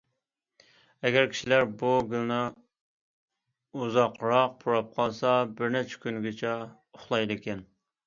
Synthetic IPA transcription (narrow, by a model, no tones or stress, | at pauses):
ɛɡʲɛɾkʲʰi̥ʃilæɾbuɡʲylnɪ | uzɑqʰɾɑq̚pʰuɾɑp̚qʰɑlˠsɑbɪɾnɛt͡ʃʰɛ̥kʲynɡʲɪt͡ʃʰɛ | ʊχlˠɑjd̪ɪkʲɛn